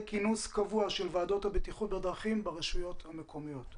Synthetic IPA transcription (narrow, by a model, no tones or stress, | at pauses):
kinuskavuaʃelvaːdo̞thabet̪iχut̚bed̪ʁaχimbeʁeʃujo̞thamekʰo̞mijo̞t